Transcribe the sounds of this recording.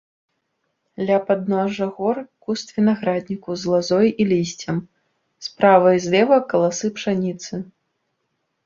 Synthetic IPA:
lʲapad̪nɔʐɐɣɔrkust̪vʲinaɣɾad̪ʲnʲikuzlˠazɔjilʲisʲt͡sʲɐm | spɾavɐjzʲlʲɛvɐkɐlˠasɨpʂanʲit̪sɨ

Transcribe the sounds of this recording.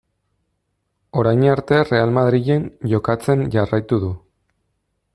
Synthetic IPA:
o̞ɾajɲaɾt̪e̞re̞almaðɾiʝe̞nʝo̞kat͡se̞nʝarajt̪uðu

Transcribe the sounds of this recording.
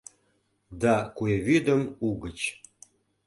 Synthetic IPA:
d̪ɑkueβyd̪əmuɣət͡ɕ

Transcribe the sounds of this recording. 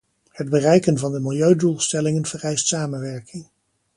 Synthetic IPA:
həd̚bərɛjkənvɑndəmɪlˠjøɥdulˠstɛlɪŋənv̥ərɛjstsaːmənʋɛɹkɪŋ

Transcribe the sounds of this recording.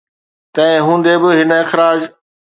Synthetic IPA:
t̪ɐ̃ɪ̃ɦũːnd̪ebɪɦɪnəɪxɾaːd͡ʑ

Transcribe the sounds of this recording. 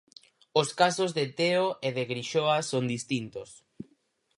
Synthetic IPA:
oskasozðet̪eoeðeɣɾiʃoasond̪ist̪int̪os

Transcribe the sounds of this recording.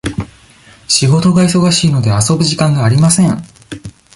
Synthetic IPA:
ɕiɡo̞t̪o̞ɡais̬o̞ɡaɕiːno̞d̪e̞aso̞bɯ̟ʑikãŋɡaːɾʲimasẽ̞ŋ

